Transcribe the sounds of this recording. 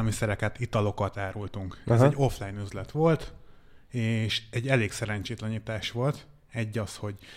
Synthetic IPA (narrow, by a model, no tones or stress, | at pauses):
lmisɛɾɛkɛt̪it̪ɒlo̞kɒt̪aːɾult̪uŋkɛzɛɟːo̞flajnyzlɛt̪ʋo̞lt̪ | eːʃɛɟːɛleːksɛɾɛɲt͡ʃeːt̪lɛɲit̪aːʃʋo̞lt̪ | ɛɟːɒsho̞ɟ